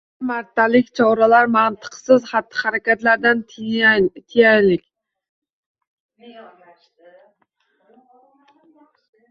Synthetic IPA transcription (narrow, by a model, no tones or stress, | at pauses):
maɾt̪ʰːalɪkʲt͡ʃʰɒɾalaɾmant̪ʰə̥qʰsɨzχat̪ʰːɨ̥χaɾɛkʲæt̪laɾd̪anʰ | t̪ʰijæjlɪkʲ